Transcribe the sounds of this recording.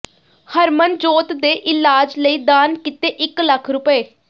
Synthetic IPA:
həɾmənd͡ʒoːt̪d̪eːʔɪlaːd͡ʒləiːd̪aːnkɪt̪eːʔɪkləkʰɾʊpəeː

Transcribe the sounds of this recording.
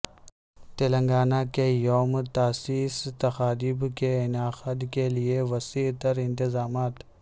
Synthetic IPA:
t̪elə̃ŋɡaːnakejoːmt̪aːsiːst̪ɐxaːd̪iːbkeɪnaːxəd̪kelieʋɐsiːt̪əɾɪ̃nt̪ɪzaːmaːt̪

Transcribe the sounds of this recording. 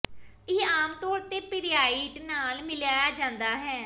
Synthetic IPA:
ɪaːmt̪ɔːɾt̪eːpɪɾjaːiːʈnaːlmɪljaːjaːd͡ʒãːnd̪aːɦɛː

